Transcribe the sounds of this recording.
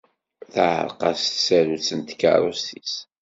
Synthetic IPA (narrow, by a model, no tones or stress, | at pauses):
θʕə̰ɾqɑst̪sæɾut͡sənt̪kːɑ̰ɾˤustis